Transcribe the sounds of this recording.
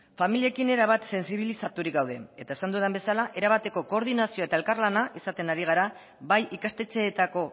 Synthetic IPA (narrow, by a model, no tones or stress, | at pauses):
familie̞kine̞ɾaβ̞at̪se̞nsiβ̞ilisat̪uɾikɡawðe̞e̞t̪aesand̪uðembe̞salaʔe̞ɾaβ̞at̪e̞ko̞ko̞ːɾðinasioe̞t̪ae̞lkaɾlanaisat̪e̞naɾiɣ̞aɾa | βajʔikast̪e̞t͡se̞ːt̪ako̞